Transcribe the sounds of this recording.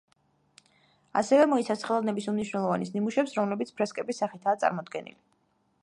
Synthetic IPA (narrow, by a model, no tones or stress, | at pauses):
a̰sɛvɛmɔit̪sʰasχɛlˠɔd̪nɛbisumniʃwnɛlˠɔvanisnimuʃɛpsɾɔmlɛbit̪sʰpʰɾɛskʼɛbisaχit̪ʰaːt̪sʼa̰ɾmɔd̪ɡɛnḭli